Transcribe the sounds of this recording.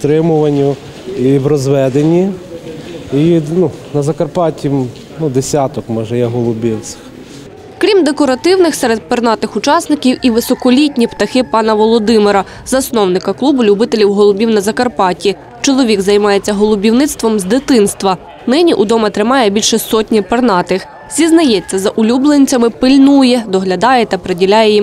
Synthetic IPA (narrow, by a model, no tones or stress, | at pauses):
t̪ɾɪmʊʋɐnʲːʊ | iwɾɔzʋɛd̪enʲːi | inunɐzɐkɐrpɑtʲi | nud̪esʲat̪ɔkmɔʒɛjɛɦɔlˠʊbʲiwt͡sʲɪ̥x | kɾʲimd̪ekɔɾɐt̪ɪwnɪxsɛɾed̪̚pɪrnɑt̪ɪxʊt͡ʃɑsnɪkʲiwʔiʋɪsɔkɔlʲitʲnʲipt̪ɐxɪpɑnɐʋɔlˠɔd̪ɪmɪɾɐ | zɐsnɔwnɪkɐklˠubʊlʲʊbɪt̪elʲiwɦɔlˠʊbʲiwnɐzɐkɐrpɑtʲi | t͡ʃɔlˠɔʋʲiɡzɐjmɑjet͡sʲːɐɦɔlˠʊbʲiwnɪtst̪ʋɔmzd̪ɪt̪ɪnst̪ʋɐ | nɪnʲiʔud̪ɔmɐt̪ɾɪmɑjɛbʲilʲʃɛsɔtʲnʲipɐrnɑt̪ɪx | zʲiznɐjɛt͡sʲːɐzɐʔʊlʲublˠenʲt͡sʲɐmɪpɪlʲnujɛd̪ɔɦlʲɐd̪ɑjɛt̪ɐpɾedʲilʲajɛjim